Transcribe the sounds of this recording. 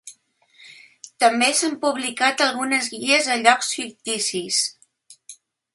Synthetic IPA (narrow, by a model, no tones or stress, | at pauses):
t̪əmbesampuβlikat̪əlˠɣunəzɣiəzəʎɔksfik̚t̪isis